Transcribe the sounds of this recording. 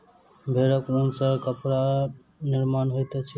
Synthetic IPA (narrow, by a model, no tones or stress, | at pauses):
bʱeɾəkɾonsə̃kəpɾa | niɾmanɦojt̪ɛt͡ʃʰi